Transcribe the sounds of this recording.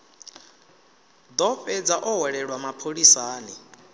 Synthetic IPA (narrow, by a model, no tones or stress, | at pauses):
d̪ɔɸɛd͡zaʔɔɦwɛɺɛɺwamapʰoɺisaːni